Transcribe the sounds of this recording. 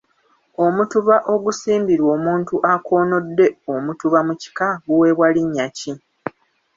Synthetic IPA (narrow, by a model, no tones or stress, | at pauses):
o̞mutuβaʔo̞ɡusiːmbiɾwo̞ːmuːntuʔakʰo̞ːno̞dːe̞omutuβamuci̥kaɡuwe̞βwaliɲːaci